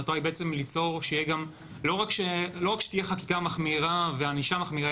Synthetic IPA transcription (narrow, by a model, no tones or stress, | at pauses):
at̪oajbeet͡se̞mlit͡so̞ʁʃeijeɡam | lo̞ʁakʃelo̞ʁakʃe̥t̪ijeχaki̥kamaχmiʁaveaniʃamaχmiʁa